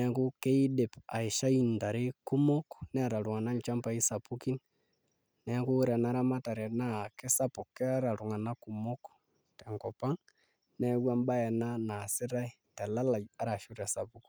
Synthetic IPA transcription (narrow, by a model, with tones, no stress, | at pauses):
nɛ˦ku˦ke˦i˦de˨pa̰˨ɪ˨ʃa˦i˨nta˨ɾe˦ku˦mɔ˦knɛ˦a˨ɾa˨ɾu˨ŋa˨na˦ɲt͡ʃa˦mpa˦i˦sa˨pu˦ki˦n | nɛ˨˦ku˦ɾɛ˨na˦ɾa˦ma˦ta˨ɾɛ˨na˦˨ke˦sa˦pu˨kːɛ˦a˦ɾa˨ɾu˨ŋa˨na˦ku˨mo˦k | tɛ˨ŋkɔ˨pa˦ŋ | nɛ˦kwa˦mba˦ɛ˨na˦na˨sɪ˦ɾa˦i˦tɛ˨la˦la˨ja˦ɾa˨ʃu˦ɾa˨sa˨pu˦k